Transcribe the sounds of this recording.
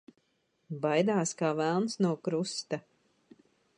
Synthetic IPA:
bajd̪aːskaːvælˠnsnuɔkɾust̪a

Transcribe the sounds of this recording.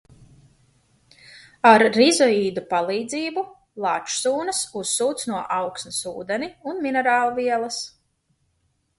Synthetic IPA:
aɾːizɔiːd̪upalˠiːd̪ziːbu | lˠat͡ʃsuːnɐsusːuːt̪snuɔʔawksnɐsṵːd̪ɛniunminɛɾaːlˠuviɛlˠɐs

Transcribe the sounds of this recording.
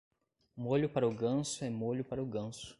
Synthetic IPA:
moʎʊpaɾɐʊɡɐ̃sʊɛmoʎʊpaɾɐʊɡɐ̃sʊ̥

